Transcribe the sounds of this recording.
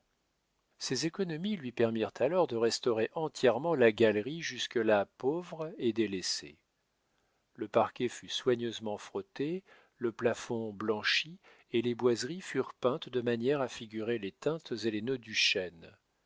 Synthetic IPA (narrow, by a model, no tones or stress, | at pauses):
sezekɔnɔmilɥipɛʁmiʁt̪ʰalɔʁd̪əʁɛst̪ɔʁeʔɑ̃t̪jɛʁmɑ̃laɡʲalʁiʒyskəlapovʁed̪elesḛ | ləpaʁkʲɛfyswaɲøzmɑ̃fχɔt̪e | ləplafɔ̃blɑ̃ʃi | elebwazʁifyʁpɛ̃t̪d̪əmanjɛʁafiɡʲyʁelet̪ɛ̃t̪zelenød̪yʃɛn